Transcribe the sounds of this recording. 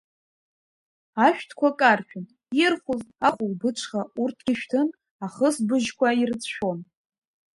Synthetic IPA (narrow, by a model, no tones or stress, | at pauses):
aʃᶣtʰkʷʰakʼarʃᶣʊn | irχʷʊzaχʷʊwbɨʈ͡ʂʷʰχaurtʰɡʲiʃᶣtʰɨn | aχəsbɨʒkʷʰairt͡sʃᶣon